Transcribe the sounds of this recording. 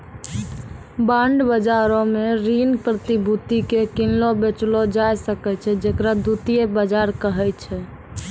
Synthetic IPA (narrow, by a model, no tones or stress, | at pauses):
bãɳɖbəd͡ʒaɾɔ̃meɾinpɾət̪ibʱut̪ikekinlɔbet͡ʃlod͡ʒajsəkɛt͡ʃʰɛd͡ʒekɾad̪ut̪ijebəd͡ʒaɾkəɦɛt͡ʃʰɛ